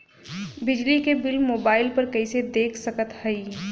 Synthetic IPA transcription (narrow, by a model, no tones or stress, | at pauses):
bɪd͡ʒlikebɪlmoːbaːɪlpɐɾkɐised̪eːkʰsɐkət̪hɐi